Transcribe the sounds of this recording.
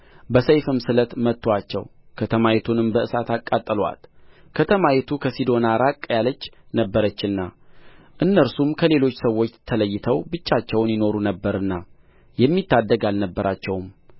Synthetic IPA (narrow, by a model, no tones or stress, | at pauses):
bəsəjfɨmsɨlət̪mət̪ːwat͡ʃːɛ̰w | kʰət̪ʰəmajɛt̪ʰunɨmbəʔɨsat̪ʰakʼːat̪ʼːɨlwa̰t̪ | kʰət̪ʰəmajɛt̪ʰukʰəsid̪o̞naɾakʼːjalət͡ʃːnəbːəɾət͡ʃːɨnːa | ʔɨnːəɾsumkʰəle̞lo̞t͡ʃːsəwːo̞t͡ʃːt̪ʰələjːɪt̪ʰəwbɨt͡ʃːat͡ʃːɛwnjɪno̞ɾunəbːəɾɨnːa | jɛmːit̪ːad̪ːəɡalnəbːəɾat͡ʃːɛwm